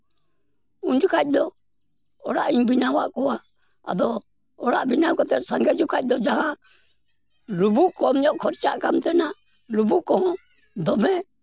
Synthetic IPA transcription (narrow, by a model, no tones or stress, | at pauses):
uɲd͡ʒukʰac̚ˀd̪ɔ | ɔɽaʔiɲbinawaʔkɔwa | a̰d̪ɔː | ɽaʔbinawkɔt̪ɛt̪̚saŋɡɛd͡ʒukʰac̚d̪ɔd͡ʒaɦa | ɾubuʔkɔmɲɔʔkʰɔɾt͡ʃaʔkamt̪ɛnaʔ | ɾubuʔkɔhɔ̃ | d̪ɔbɛ